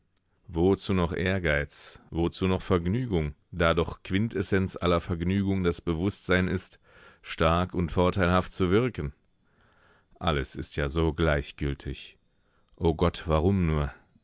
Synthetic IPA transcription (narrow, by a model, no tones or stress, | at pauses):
vot͡suːnɔχʔeːɐɡaɪt͡svot͡suːnɔχfɛɐɡnyːɡʊŋ | d̥aːdɔχkv̥ɪntʰɛsɛnt͡sʔa̰lɐfɛɐɡnyːɡʊŋdasb̥əvʊstz̥aɪnɪst | ʃtaɐkʊntfɔɐtʰaɪlhaftt͡suvɪɐkən̩ | ʔa̰ləsɪstʰjaːzoːɡlaɪçɡ̥ʏltʰɪç | ʔoːɡɔtv̥aʁʊmnuːɐ